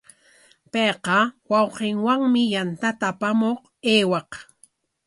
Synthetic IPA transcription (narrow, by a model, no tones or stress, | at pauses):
pejqɑwɑwqɪŋwaŋmɪjant̪at̪apamoχ | eːwɑq